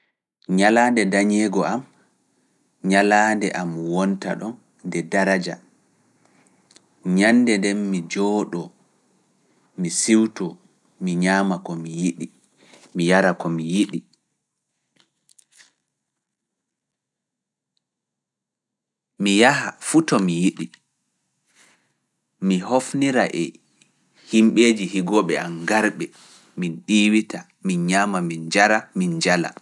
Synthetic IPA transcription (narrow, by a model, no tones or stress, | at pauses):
ɲalaːndɛdaɲɛɡɔʔam | ɲalaːndɛʔamwɔnta̰ɗɔn | dɛdaɾad͡ʒa̰ | ɲandɛndɛnmid͡ʒɔːɗɔ | misiwtɔ | miɲaːmakɔmijiɗi | mijaɾakɔmijiɗi | mijaɦafutɔmijiɗi | mihofniɾaʔɛ | himɓeːd͡ʒihiɡɔɓɛanɡaɾɓɛ | minɗiːwita | minɲaːmamind͡ʒaɾamind͡ʒala̰